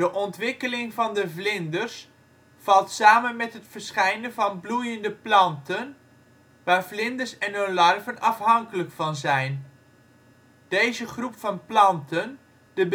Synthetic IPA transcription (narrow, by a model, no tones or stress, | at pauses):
d̥əʔɔntʋɪkəlɪŋvɑndəvlɪndərs | fɑlˠtsaːmənmɛtɦətfəɹsχɛjnəvɑnblujəndəplɑntən | ʋaːɹvlɪndəɹsɛnolɑrvənɑfɦɑŋkələkfɑnzɛjn | d̥ejzəχrupfɑnplɑntən | d̥əb